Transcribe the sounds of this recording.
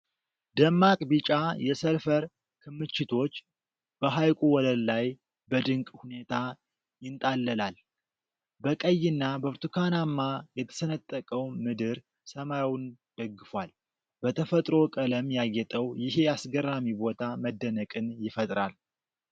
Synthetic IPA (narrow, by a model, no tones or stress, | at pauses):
d̪əmːakʼbɨt͡ʃʼajɛsəlfəɾ | kʰɨmːɨt͡ʃːɪt̪ʰo̞t͡ʃː | b̥əɦajkʼuwɔləllaj | bəd̪ɨŋkʼhune̞t̪ʰa | jɪnt̪ʼalːəlal | bəkʼəjːɪnːabəɾt̪ʰukʰanamːajɛt̪ʰə̥sənət̪ʼːəkʼəwmɨd̪ɨɾ | səmajawun | d̪̥əɡːɨfwal | bət̪ʰəfət̪ʼɾo̞kʼələmjajːɛt̪ʼəwjɪɦe̞jasɡərːamibo̞t̪ʰaməd̪ːənəkʼɨnjɪfət̪ʼɾal